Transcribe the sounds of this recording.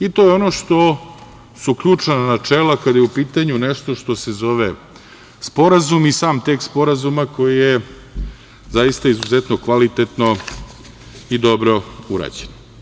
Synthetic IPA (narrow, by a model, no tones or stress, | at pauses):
it̪ojeo̞noʂt̪o̞ | suukʎuːt͡ʂananat͡ʃeːlakad̪ajeupiːt̪aɲuneʃt̪o̞ʃt̪o̞sezo̞ʋe | spo̞ɾazumisaːmt̪ekspo̞ɾazumako̞jije | zajist̪aizuzet̪no̞kʋalit̪et̪no̞ | id̪o̞bɾo̞uɾa̰d͡ʑen